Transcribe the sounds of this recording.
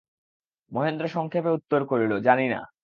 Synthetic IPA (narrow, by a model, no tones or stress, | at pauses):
moɦend̪ɾoʃɔŋkʰepeut̪ːoɾkoɾilod͡ʑanina̰